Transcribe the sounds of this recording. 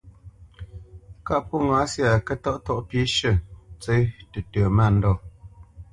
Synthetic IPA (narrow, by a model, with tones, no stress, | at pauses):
ka˦˨pɔ˦˨ŋa˨˦sja˨kə˦tɔ˦ʔtɔ˦ʔpi˨˦ʃə˦˨t͡se˦tə˨tə˨ma˦˨n̩˦dɔ˦˨